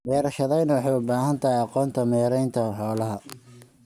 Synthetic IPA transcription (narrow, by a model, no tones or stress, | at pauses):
mɛːɾɐʃɐðɛjnɐwɑħɑjʊbaːɦɐnt̪ʰɐɦɛjɑqɔːnt̪ʰɐmɛːɾɛjnt̪ʰɐħɔːlɐɦɐ